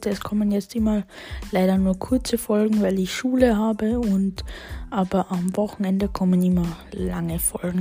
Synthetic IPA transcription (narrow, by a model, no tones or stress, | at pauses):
tɛskʰɔmənjɛt͡stɪmɐ | laɪɾɐnuːɐkʰʊɐt͡səfɔlɡŋ̩vaɪlɪçʃuːləɦaːbəʊntʔaːbɐʔamvɔχn̩ɛndəkʰɔmənɪmɐlaŋəfɔlɡŋ̩